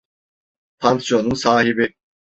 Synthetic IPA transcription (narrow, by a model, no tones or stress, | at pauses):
pʰansjo̞nunsaːɦibi